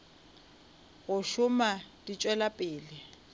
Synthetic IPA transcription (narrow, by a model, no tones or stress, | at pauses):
ɣʊʃʊmad̥it͡ʃʼwɛlapʼɪːlɪ